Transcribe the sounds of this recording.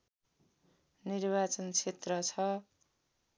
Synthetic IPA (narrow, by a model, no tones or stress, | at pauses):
nirbat͡sʌnt͡sʰet̪rʌt͡sʰʌ